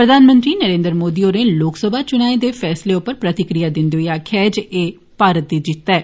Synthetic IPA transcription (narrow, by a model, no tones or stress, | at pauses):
pɾəd̪ʱaːnmə̃nt̪ɾiːnəɾẽːnd̪ɾəmoːd̪iːoːɾeːloːksəbʱaːt͡ʃʊñaːed̪eːpʰɛːsleːʊpːəɾpɾət̪ɪkɾijaːd̪ɪ̃nd̪eɦoːaːkʰɛːd͡ʒeː | paːɾət̪̚d̪iːd͡ʒɪt̪ːɛː